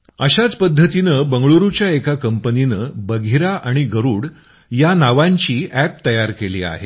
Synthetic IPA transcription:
əɕat͡spəd̪ʱːət̪inəːbəŋɡɭoɾut͡ɕjaekakəmpəninəːbəɡʱiɾaʔaɽ̃iɡəɾuːɽ | janaʋaɲt͡ɕiːʔæp̚t̪əjaɾkelḭːa̰ɦḛ

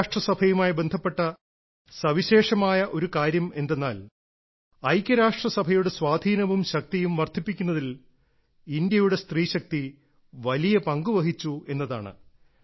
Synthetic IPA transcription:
ʂʈrɐsɐbʱɐjumaːjibe̞nd̪ʱɐpːe̞ʈːɐ | sɐʋiɕe̞ːʂɐmaːjɐʔo̞ɾukaːɾjɐme̞nd̪e̞nːa̰ːl | ɐjkʲːjɐɾaːʂʈrɐsɐbʱɐjuɽe̞swaːd̪ʱiːnɐʋumɕɐk̚t̪ijumʋɐrt̪ʰipːikʲːunːɐðil | ind̪jɐjuɽe̞st̪riːɕɐk̚t̪i | ʋɐlijɐpɐŋɡuʋɐɦit͡ɕːue̞nːɐða̰ːɳɨ̰

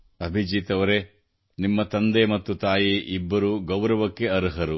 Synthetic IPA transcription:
ɐbʱid͡ʒiːt̪ɐʋɐɾe | nimːɐt̪ɐnd̪emɐt̪ːut̪aːjiʔibːɐɾuɡɐwɾɐʋɐkːe̞ɐɾuɦɐɾu

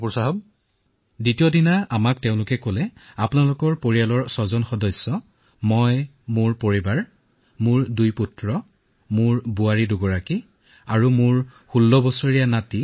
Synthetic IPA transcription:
pusaɦɔb | ditijɔdinaamakteʊ̃lʊkɛkolɛapʊnalʊkɔɹpoɹijalɔɹsɔzɔnxɔdɔjsːɔ | mɔj | mʊɹpoɹibaɹ | mʊɹdujputɹɔ | mʊɹbuaɹidʊɡɔɹaki | aɹumʊɹxulːɔbɔsɔɹijanati

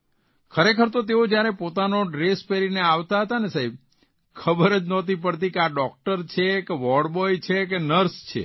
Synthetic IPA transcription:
kʰəɾekʰəɾt̪ot̪eod͡ʒjaɾepot̪anoɖɾespeɾineaʋt̪aɦət̪anesaɦib̚ | kʰəbəɾəd͡ʒnɔt̪ip̬əɽt̪̬ikeaɖɔk̚ʈəɾt͡ʃʰekeʋɔɽbɔjt͡ʃʰekenəɾst͡ʃʰḛ

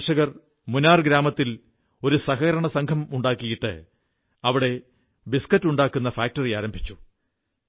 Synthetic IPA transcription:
ʂɐɣɐr | munaːrɡɾaːmɐt̪ːil | o̞ɾusɐhɐɐɾɐɳɐsɐŋkʰɐmuɳɖaːkːijiʈːɨ̰ | ɐʋiɽe̞ | biskɐtːuɳɖaːkːun̪ːɐfaːk̚tɐrijaːɾɐmbʱit͡ɕːu

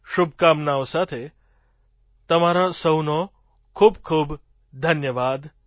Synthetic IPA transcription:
ʃubʱkamnaosat̪ʰe | t̪əmaɾasəwno | kʰuːbkʰuːb | d̪ʱənjəʋad̪

